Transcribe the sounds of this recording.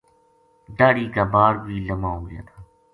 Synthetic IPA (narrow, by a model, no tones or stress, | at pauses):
ɖaːɽiːkaːbaːɾbiːləmaːoːɡɪja̰ːt̪ʰaː